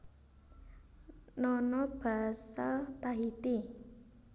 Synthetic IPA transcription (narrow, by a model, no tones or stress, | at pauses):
nɔnɔb̥a̤salt̪aɦit̪i